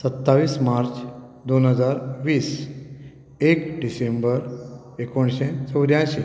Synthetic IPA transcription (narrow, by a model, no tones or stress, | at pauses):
sət̪ːaʋiːsmaɾt͡s | d̪onɦəd͡zaɾʋiːs | ekɖisembəɾ | ekoɳɕẽt͡səwd̪jãj̃ɕe